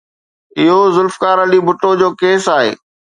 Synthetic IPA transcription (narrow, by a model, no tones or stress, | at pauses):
ɪɦozʊlfkaːɾəlibʊʈod͡ʑoːkeːsaːɦḛː